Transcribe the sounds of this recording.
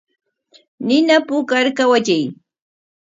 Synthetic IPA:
nɪnapʊkaɾkawat͡ʃaj

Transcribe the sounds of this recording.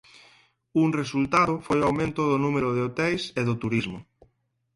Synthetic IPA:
uŋresult̪aðʊfojoawmẽnt̪ʊðʊnumeɾʊðeot̪ɛjseðʊt̪uɾizmʊ

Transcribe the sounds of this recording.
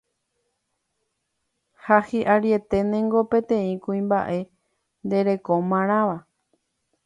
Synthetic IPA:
hahiʔaɾje̞t̪e̞nẽ̞ŋɡo̞pẽ̞t̪ẽ̞ĩkuĩmba̰ʔe̞ | nd̪e̞ɾe̞ko̞mãɾ̃ãʋa

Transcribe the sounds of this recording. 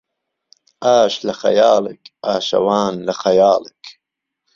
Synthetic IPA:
ʔaːʃlaxɐ̰jaːləkaːʃɐ̰waːnlaxajaːlək

